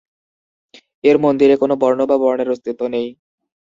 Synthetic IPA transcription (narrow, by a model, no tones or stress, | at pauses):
eɾmond̪iɾekonobɔɾnobabɔɾneɾost̪it̪ːonej